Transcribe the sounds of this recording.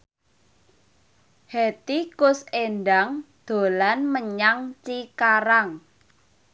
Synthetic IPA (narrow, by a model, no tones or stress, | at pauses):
het̪ikʊsenɖaŋd̪̥o̤lanməɲaŋt͡ʃikaɾaŋ